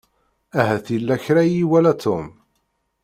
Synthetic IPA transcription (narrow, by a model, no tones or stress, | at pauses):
æɦæθilːæçɾæjiwælæt̪ʰːʊm